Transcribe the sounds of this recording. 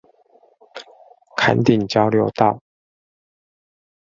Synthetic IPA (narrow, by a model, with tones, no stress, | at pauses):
kʰa̰˧˦nt̪i˨˩ŋt͡ɕjɑ˥˦ʊljo˧˥ʊt̪ɑ˥˨ʊ